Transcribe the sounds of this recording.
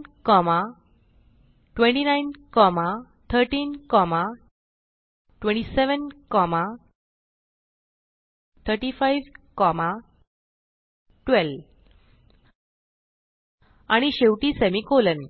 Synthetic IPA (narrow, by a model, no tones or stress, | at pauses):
kɔma | ʈʋẽɳʈinajnkɔma | t̪ʰəɾʈiːnkɔma | ʈʋẽɳʈiseʋənkɔma | t̪ʰəɾʈifajʋkɔma | ʈʋel | aɽ̃iɕewʈiːsemikolən